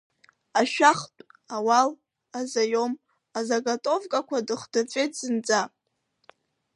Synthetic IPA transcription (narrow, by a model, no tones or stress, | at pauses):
aʃᶣaχtʷʼawal | azajom | azaɡatʼovkʼakʷʰadɨχdɨt͡sʷʼejtʰʼzɨnd͡zʼa